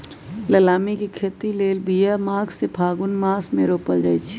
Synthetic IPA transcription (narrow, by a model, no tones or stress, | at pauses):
ləlaːmikikʰeːt̪ileːlbijamaːɡsepʰaːɡʊnmaːsmẽɾoːpəld͡ʒaːit͡ʃʰi̥